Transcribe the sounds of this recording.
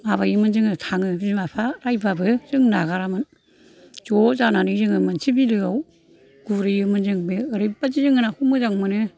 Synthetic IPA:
mabajɯmɯnzɯŋɯtʰaŋɯbmapʰaɾajbabɯzɯŋnaɣaɾamɯn | zɔzananɯzɯŋɯmansʰibilɯaw | ɡ̥uɾɯjɯmɯnzɯŋbɯɯɾɯbazizɯŋɯnahumɯzaŋmɯnɯ

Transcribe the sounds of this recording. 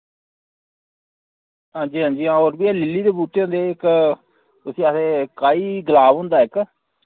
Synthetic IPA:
ɦãːɲd͡ʒiːɦãːɲd͡ʒiːãːoːɾbiːɛːlɪlːiːd̪eːbuːʈeːɦõːnd̪eːɪk | ʊsĩːaːseːkaːiːɡəlaːbɦʊ̃nd̪aːɪk

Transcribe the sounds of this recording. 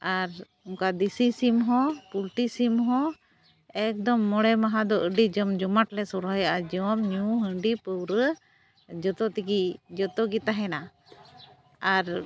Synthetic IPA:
aɾ | uŋkad̪isisimɦɔ̃pulʈisimɦɔ̃ | ɛk̚d̪ɔmːɔɽɛmaɦad̪ɔʔəɖid͡ʒɔmd͡ʒɔmaʈlɛsɔɾɦəjaʔad͡ʒɔmɲuɦəɳɖipəwɾə | d͡ʒɔt̪ɔt̪ikid͡ʒɔt̪ɔɡit̪aɦɛna | aɾ

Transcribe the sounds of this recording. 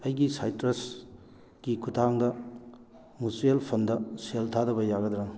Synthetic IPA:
ɐjɡisajtɾes | ɡ̥ikʰutʰaŋdɐ | musielpʰɐndɐseltʰadɐbɐjaɡɐdɾaŋ

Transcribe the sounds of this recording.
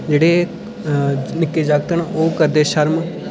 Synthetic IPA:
d͡ʒeːɽeː | nɪkːeːd͡ʒaːɡt̪əɳoːkəɾd̪eːʃəɾm

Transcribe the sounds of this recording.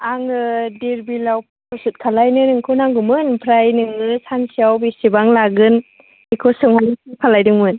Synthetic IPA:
aŋɯdiɾbilawpʰ | ɔsɯt̚kʰalajnɯnɯŋkʰɯnaŋɡumɯnpʰɾajnɯŋɯsansijawbisibaŋlaɡɯn | ikʰɔsɯŋhanisikʰalajdɯŋmɯn

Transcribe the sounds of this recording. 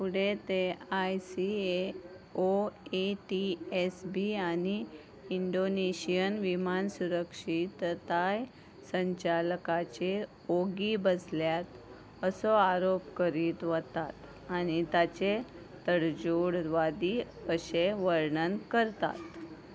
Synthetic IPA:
puɽet̪eajsie | oeʈiesbiani | iɳɖoneɕijənʋimansuɾəkʂit̪t̪aj | səɲt͡ɕalkat͡ɕe | oɡibəsljat̪ | əsɔaɾopkəɾiːt̪ʋət̪at̪ | añit̪at͡ɕe | t̪əɽd͡ʑoɽɾʋad̪iəɕeʋəɾɳənkəɾt̪a̰t̪

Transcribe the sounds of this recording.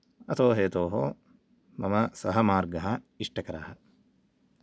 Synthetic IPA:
ɐt̪oːɦeːt̪oːɦo | mɐmɐsɐɦɐmaːɾɡɐɦɐ | iʂʈɐkɐɾaːɦɐ

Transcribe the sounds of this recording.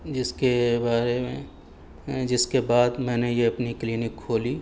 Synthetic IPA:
d͡ʒɪskebaːɾemẽ | d͡ʒɪskebaːd̪mɛ̃ːnejeɐpnikliːnɪkʰːoːli

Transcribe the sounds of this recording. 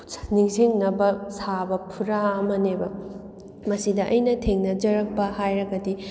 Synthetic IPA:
niŋsiŋnɐbɐsabɐpʰuɾaɐmɐnebɐ | mɐsidɐʔɐjnɐtʰeŋnɐd͡ʒɐɾɐk̚pɐhajɾɐɡɐdi

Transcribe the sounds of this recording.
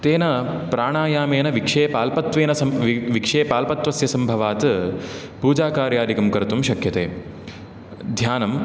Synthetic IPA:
t̪eːnɐpɾaːɳaːjaːmeːnɐʋikʂeːpaːlpɐt̪ʋeːnɐsɐmʋikʂeːpaːlpɐt̪ʋɐsjɐsɐmbʱɐʋaːt̪ɨ | puːd͡ʒaːkaːɾjaːɾikɐmkɐɾt̪umʃɐkʰjɐt̪eː | d̪ʱjaːnɐm

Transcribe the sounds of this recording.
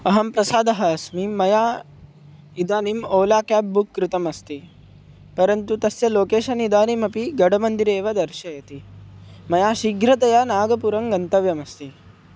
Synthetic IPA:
ɐɦɐmpɾɐsaːd̪ɐɦɐːsmimɐjaː | id̪aːnimoːlaːkjaːp̚bukːɾut̪ɐmɐst̪i | pɐɾɐnt̪ut̪ɐsjɐloːkeːʃɐnid̪aːnimɐpiɡɐɽɐmɐnd̪iɾeːʋɐd̪ɐɾʃɐjɐt̪imɐjaːʃiɡɾɐt̪ɐjanaːɡɐpuɾɐŋɡɐnt̪ɐʋjɐmɐst̪i

